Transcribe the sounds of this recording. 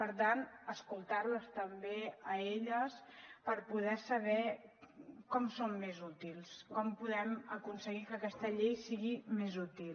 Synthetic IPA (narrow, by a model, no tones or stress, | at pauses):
pəɾt̪anəskulˠt̪aɾləst̪əmbeəeʎəspəɾpuðɛsəβɛ | kɔmsomːezut̪ilˠskɔmpuðɛməkunsəɣikəːkɛst̪əʎejsiɣimezut̪il